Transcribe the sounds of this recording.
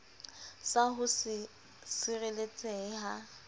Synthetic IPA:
saɦʊsɪ | sɪrelet͡sʼɛːha

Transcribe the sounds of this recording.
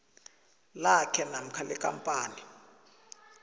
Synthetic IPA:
lakʰɛnam̩kʰalɛkʼa̰mpʼaːni

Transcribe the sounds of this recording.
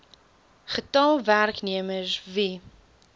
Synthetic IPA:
χətɑlˠværkniəməsvi

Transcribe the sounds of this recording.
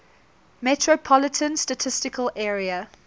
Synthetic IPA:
mɛtʰɹopʰɔlɪtʰə̃nstətʰɪstɪkʰəlʔɛːɹiə

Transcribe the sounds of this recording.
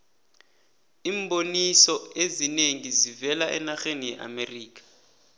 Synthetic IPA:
imbonisɔezineŋizivɛlaʔɛ̰naxenijɛʔa̰meriːk̬ʼḁ

